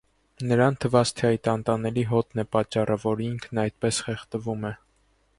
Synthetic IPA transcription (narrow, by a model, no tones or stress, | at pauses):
nəɾɑnt̪ʰəvɑt͡st̪ʰɛɑjt̪ɑnt̪ɑnɛliɦɔt̪nɛpɑt͡ʃːɑrəvɔɾiŋkʰnɑjt̪̚pɛsχɛχt̪əvumɛ